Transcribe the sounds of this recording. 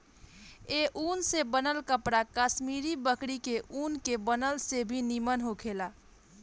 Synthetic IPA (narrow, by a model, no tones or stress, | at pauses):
eʔuːnsebənəlkəpɽakasmiːɾibəkɽikeʔuːnkebənəlsebʱinimənɦokʰela